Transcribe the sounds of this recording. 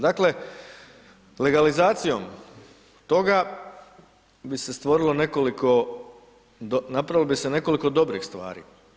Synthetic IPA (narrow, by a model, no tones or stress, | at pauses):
d̪akle̞ | le̞ɡalizaːt̪sijo̞m | t̪o̞ɡa | bise̞st̪ʋo̞ɾilo̞ne̞ko̞liko̞ | napɾailobise̞ne̞ko̞liko̞d̪o̞bɾixst̪ʋa̰ːɾḭː